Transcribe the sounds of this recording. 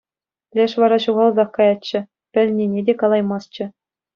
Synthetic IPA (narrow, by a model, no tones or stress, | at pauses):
lʲeʂʋɑɾɑɕuʁɑlˠzɑχkɑjɑt͡ɕːɘ̆ | pʲɘ̆lʲnʲenʲedʲekɑlˠɑjmɑst͡ɕɘ̆